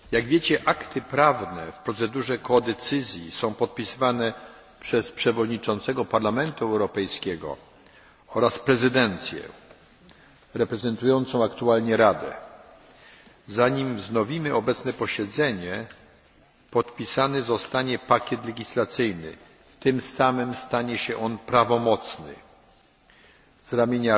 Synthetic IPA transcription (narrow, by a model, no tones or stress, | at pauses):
jaɡvʲjet͡ɕɛʔakt̪ʰɘpɾavnɛfpɾɔt̪sɛd̪uʐɛkɔd̪ɛt̪sɘzʲjisɔ̃w̃pɔt̪̚pʲisɘvanɛ | pʂɛspʂɛvɔd̪ɲit͡ʂɔnt̪sɛɡɔpaɾlamɛnt̪uɛwɾɔpɛjskʲɛɡɔ̰ | ɔɾaspɾɛzɘd̪ɛnt̪sʲjɛ̰ | ɾɛpɾɛzɛnt̪ujɔnt̪sɔ̃w̃akt̪ualɲɛɾad̪ɛ̰ | zaɲimvznɔvʲimɘɔbɛt̪snɛpɔɕɛd̪zɛɲɛ | pɔt̪pʲisanɛzɔst̪aɲɛpakʲɛt̪lɛɡʲislat̪sɘjnɘ̰ | t̪ɘmsamɘmst̪aɲɛɕɛʔɔnpɾavɔmɔt̪snɘ̰ | z̥ɾamʲjeɲa